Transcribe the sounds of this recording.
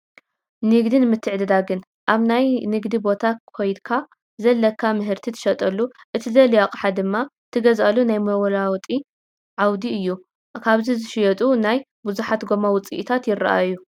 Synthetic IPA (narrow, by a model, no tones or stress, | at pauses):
nɨɡd̪inɨmɨt̪ʰːɨʕd̪ɨd̪aɡɨn | ʔaβnajnɨɡd̪ibo̞t̪ʰakʰo̞jd̪kʰa | zɐlːɐkʰːamɨɦɨɾt̪ʰit̪ʰɨ̥ʃɐt̪ʼɐlːu | ʔɨt̪ʰizɐlijaqʼħad̪ɨmːa | t̪ʰɨɡɐzalunajmɐwɐlawt̪ʼi | ʕawd̪iɨjːu | kʰaβzizɨʃɪjɛt̪ʼunaj | buzuħat̪ɡomawʊt͡sʼḭʔit̪ʰat̪jɪrːaʔajːu